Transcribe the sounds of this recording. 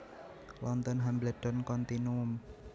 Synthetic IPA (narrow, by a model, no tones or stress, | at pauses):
lʔɔnt̪ɔnɦamblad̥ɔnkɔnt̪inum